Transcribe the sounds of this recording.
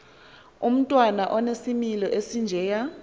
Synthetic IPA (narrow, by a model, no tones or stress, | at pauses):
um̩tʼwanaʔɔnesimilɔʔesind͡ʒʱɛja